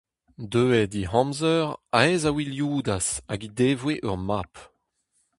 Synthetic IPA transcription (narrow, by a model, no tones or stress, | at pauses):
døːɛd̪ihɑ̃mzœʁaɛzawiljuːd̪asaɡid̪eːvweʔœ̰ʁmaːp